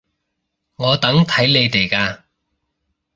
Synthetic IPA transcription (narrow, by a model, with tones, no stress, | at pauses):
ŋɔː˨˧t̪ɐ˨˥ŋt̪ʰɐ˨˥jle˨˧jt̪e˨˩jkaː˧